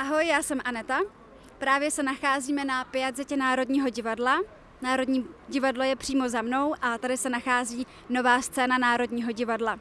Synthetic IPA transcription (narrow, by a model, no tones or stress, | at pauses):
ʔaɦo̞jːaːsɛmʔanɛt̪a | pɾaːvjɛsɛnaxaːziːmɛnapɪazɪcɛnaːɾo̞dɲiːɦo̞ɟɪvadla | naːɾo̞dɲiːɟɪvadlo̞jɛpr̥iːmo̞zamno̞wʔat̪adɪsɛnaxaːziː | no̞vaːst͡sɛːnanaːɾo̞dɲiːɦo̞ɟɪvadla